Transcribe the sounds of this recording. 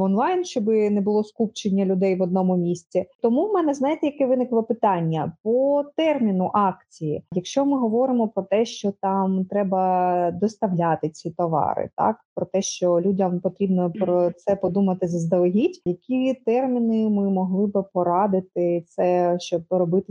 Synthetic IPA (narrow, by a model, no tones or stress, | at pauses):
ɔnlˠɑjnʃt͡ʃɔbɪnɛbʊlˠɔskup̚t͡ʃenʲːɐlʲʊd̪ɛjʋɔd̪nɔmʊmʲisʲt͡sʲit̪ɔmumɛnɛznɑjɪt̪ɛjɐkɛʋɪnɪklˠɔpɪt̪ɑnʲːɐpɔt̪ɛrmʲinʊʔɑkt͡sʲijijɐkʃt͡ʃɔmɪɦɔʋɔɾɪmɔpɾɔt̪ɛʃt͡ʃɔt̪ɑmt̪ɾɛbɐd̪ɔst̪ɐʋlʲat̪ɪt͡sʲit̪ɔʋɑ̰ɾɪ̰t̪ɑ̰kpɾɔt̪ɛʃt͡ʃɔlʲudʲɐmpɔt̪ɾʲibnɔpɾɔt̪sɛpɔd̪umɐt̪ɪzɐzd̪ɐlˠɐɦʲitʲjɐkʲit̪ɛrmʲinɪmɪmɔɦlˠɪbɪpɔɾɑd̪ɪt̪ɪt̪sɛʃt͡ʃɔbɾɔbɪt̪ɪ